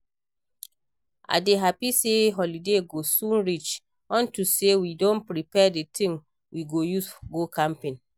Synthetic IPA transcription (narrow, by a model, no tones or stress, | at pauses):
a̰deɦapiseɦɔlideɡosũnɹit͡ʃ | ɔ̃ntusewidõnpɹipɛdetʰĩŋ | wiɡojusɡokʰãmpẽn